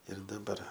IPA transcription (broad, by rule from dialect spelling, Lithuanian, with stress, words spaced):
ɪr dɐˈbɐr